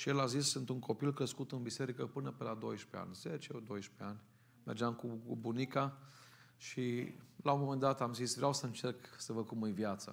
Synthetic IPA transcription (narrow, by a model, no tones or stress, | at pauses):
ʃijelazisːɨnt̪uŋko̞pilkɾəskut̪ɨnbise̞ɾikəpɨnəpelad̪o̞̰jʃpḛa̰nʲz̥et͡ʃed̪o̞jʃpeanʲ | me̞rd͡ʒamkubunika | ʃilaumːome̞nd̪at̪amzisvɾeawsəɨnt͡ʃe̞rksəvəkumɨjvjat̪sə̰